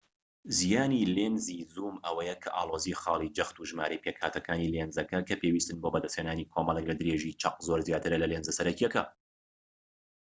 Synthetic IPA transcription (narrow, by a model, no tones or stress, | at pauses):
zijaːnilenzizuːmɐwɐjɛkʰɐʔaːlˠozixɑːlˠid͡ʒɐxt̪uʒmaːɾejpʰekhaːt̪ʰɐkaːnilenzɐkɐkʰɐpʰewiːst̪ɨnbobɐd̪ɐst̪heːnaːnikʰoːmɐlˠɛklɐd̪ɨɾeʒit͡ʃʰɐq̚zoːɾzjaːt̪ɨɾɐlɐlenzɐsɐɾɐcijɛkɐ̰